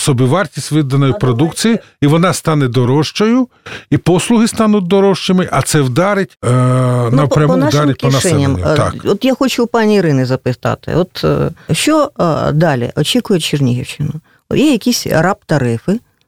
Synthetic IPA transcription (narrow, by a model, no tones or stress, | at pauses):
sɔbʲiʋɑrtʲisʲtʲʋɪd̪ɐnɔjʊpɾɔd̪ukt͡sʲiji | iʋɔnɑst̪ɑnɛd̪ɔɾɔʃt͡ʃɔjʊ | ipɔslˠʊɦɪst̪ɑnʊt̚ʲd̪ɔɾɔʃt͡ʃɪmɪʔɐt̪sɛwd̪ɑɾɪtʲ | nɐpɾʲampɔnɑʃd̪aɾmet̚ʲkʲɔnaʃɛnʲːɐmmt̪kɔt̪jaxɔt͡ʃʊpɑnʲiiɾɪnɪzɐpɪt̪ɑ̰t̪ɪ̰ɔt̪ʃt͡ʃɔd̪ɑlʲḭʔɔt͡ʃikʊjɛt͡ʃɪrnʲiɦiwʃɪnʊ | jɛjɐkʲisʲrɑpt̪ɐɾɪfɪ